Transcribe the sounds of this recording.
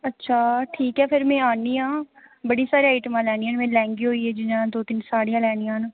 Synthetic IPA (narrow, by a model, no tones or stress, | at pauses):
ətːʃʰaːʈʰiːkɦɛːpʰɪɾmɛ̃ːaːniːãːbəɽiːsaːɾiːaːɪʈəmãːlɛːniːaːnmɛ̃ːlɛ̃ːŋɡiːɦoːiːɦɛːd͡ʒɪnãːd̪oːt̪ɪnsaːɽijãːlɛːnijãːɦn